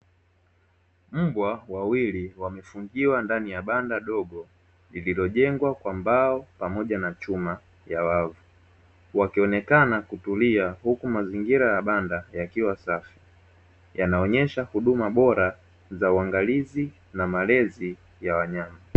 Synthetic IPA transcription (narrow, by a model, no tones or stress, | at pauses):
m̩bwawawiliwamɛfuŋɡiwandanijaɓandaɗɔɡɔ | lililɔʄɛŋɡwakwambaɔpamɔʄanat͡ʃuma | jawavu | wakiɔnɛkanakutuliahukumaziŋɡiɾajaɓandajakiwasafi̥ | janaɔɲɛʃahuɗumaɓɔɾa | zauaŋɡalizi | namalɛzi | jawaɲama